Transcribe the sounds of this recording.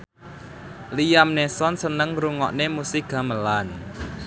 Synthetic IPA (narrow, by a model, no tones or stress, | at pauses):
lijamnesɔnsənəŋɾuŋɔ̰ʔnemusiɡ̥a̤məlan